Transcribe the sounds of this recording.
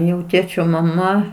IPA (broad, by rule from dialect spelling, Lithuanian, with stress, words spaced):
jɛʊ ˈtʲeːt͡ʃʲoː mɐˈmɐ